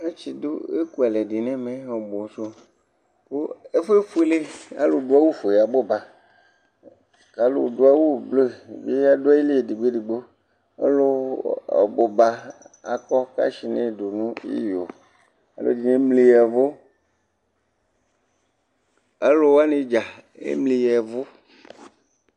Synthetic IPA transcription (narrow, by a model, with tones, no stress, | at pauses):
e˦t͡ʃi˨d̪o˦e˦ku˦a˨le˨di˨nẽ˦mẽ˦o˨bo˨so˦ | ko˦e˦ɸe˦fu˦le˦a̰˦lo˨do˦a˦wu˦fo˨ja˨bo˦ba˨ | ka˨lo̰˨do˦a˦wu˦˨blo˦˨be˦a˦do˦a˦e˦le˦e˨di˨ɡ͡be˦ɖi˨ɡ͡bo˦ | ḛ˦lo˦a̰˨bo˨ba˨a̰˨kɔ˦ka̰˦ʃi˨nẽ˦˨do˨nũ˦ḭ˦jo˨ | a̰˨lo̰˦d͡ʒi˨ne˦mli˨jɛ˨vo˦ | a˦lo˦wa˦ne˦d͡ʒa˨ḛ˦mli˨jɛ˨vo˦